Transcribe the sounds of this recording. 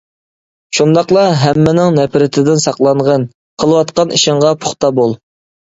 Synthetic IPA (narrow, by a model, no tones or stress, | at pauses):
ʃund̪ɑqlˠɑɦɛmːɪnɪŋnɛpʰɾɪt̪ʰɪd̪ɪnsɑqlˠɑɴʁən | qʰəlˠəwɑt̪qɑniʃɪŋʁɑpʰo̥χt̪ɑbolˠ